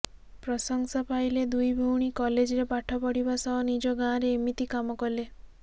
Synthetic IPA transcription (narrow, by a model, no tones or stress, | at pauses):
pɾɔsɔŋsɔpajled̪ujbʱuwɽ̃ikɔled͡ʒɔɾepaʈʰɔpɔɽibasɔɦɔnid͡ʒɔɡãɾeːmit̪ikamɔkɔle